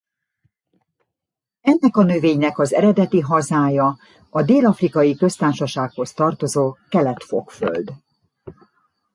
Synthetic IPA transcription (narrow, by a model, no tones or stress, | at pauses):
ɛnːɛkɒnø̞veːɲnɛkɒzɛ̰ɾɛd̪ɛt̪iɦɒzaːjɒ | ɒd̪eːlɒfrikɒjikø̞st̪aːʃɒʃaːkho̞st̪ɒrt̪o̞zoːkɛlɛt̪fo̰kfø̰ld̪